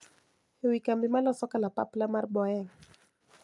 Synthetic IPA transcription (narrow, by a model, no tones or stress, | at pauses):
wikambimalɔsɔkalapa̰plamaɾɓɔɛŋ